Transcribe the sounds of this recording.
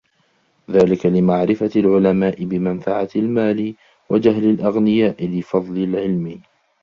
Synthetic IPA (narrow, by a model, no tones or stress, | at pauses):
ðaːlɪkalɪmaʕɾɪfalʕʊlamaːʔɪbɪmanfaʕalmaːlɪ | wʔad͡ʒaɦlalʔaɣnɪjaːʔɪlɪfɑðˤlɪlʕɪlmɪ